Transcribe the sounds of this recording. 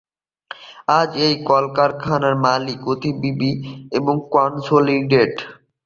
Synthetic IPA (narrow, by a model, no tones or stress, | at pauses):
ad͡ʑejkɔlkaɾkʰanaɾmalikot̪ibibieboŋkɔnsoliɖeɖ